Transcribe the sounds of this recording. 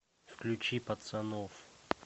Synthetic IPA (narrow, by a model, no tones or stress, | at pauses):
fklʲut͡ɕipɐt̪sɐnɔf